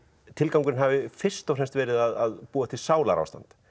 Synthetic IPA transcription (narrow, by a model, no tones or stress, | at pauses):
t̪ʰɪlkawŋkʏɾnɦavɪfɪr̥st̪ɔwfrɛnmst̪vɛːɾɪðaðaðpuːat̪ʰɪlsaːwla̰ɾa̰wst̪ant̪